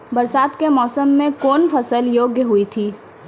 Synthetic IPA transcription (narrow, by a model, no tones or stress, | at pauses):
bɐɾsaːd̪kemɔːsəmːẽkoːnfɐsəljoːɡjəɦʊit̪ʰiː